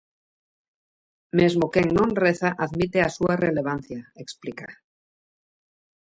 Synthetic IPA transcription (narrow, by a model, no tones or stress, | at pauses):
mezmokeŋnõnreθaʔaðmit̪easuareleβ̞anθjaeksplika